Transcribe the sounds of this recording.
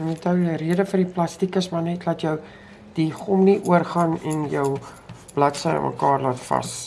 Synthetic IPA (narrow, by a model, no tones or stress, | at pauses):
nɛtəwriədəfərdiplɐstikəsmɐrnɛtlɐtjəw | d̥iχɔmniʔuərχɑnɛnjəw | b̥lɐtsəə̰mʔə̰kɑːrlɑːtfɐ̰s